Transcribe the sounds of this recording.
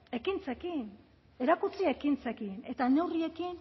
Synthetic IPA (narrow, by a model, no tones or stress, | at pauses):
e̞kint͡sekin | e̞ɾakut͡siaekint͡sekine̞t̪ane̞wrie̞kin